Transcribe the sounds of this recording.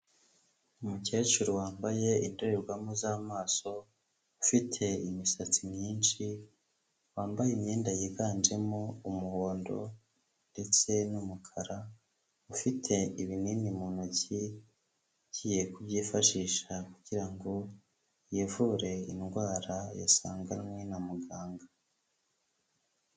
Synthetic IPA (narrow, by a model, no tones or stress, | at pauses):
umuce̞ːt͡ʃuɾowaːmbaje̞indoɾeɾɡwamozamaːso̞ | ufitʰe̞imisat͡simɲiːnʃi | waːmbajimɲeːndajiɡaːnd͡ʒe̞moumuho̞ːndo̞̰ | nde̞t͡se̞numukʰaɾa | ufitʰe̞iβiniːnimuːnuɟi | ɟije̞kuβjiːfaʃiːʃakuɟ̥iɾaŋɡo̞ | jevuɾe̞inɡwaːɾaja̰saːŋɡaɾmwenamuɡaːŋɡa